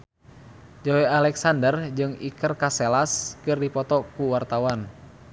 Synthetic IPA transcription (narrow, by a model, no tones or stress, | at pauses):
d͡ʒɔwealɛksandərd͡ʒɨŋikərkasɛlaskɨrdipɔt̪ɔkuwart̪awan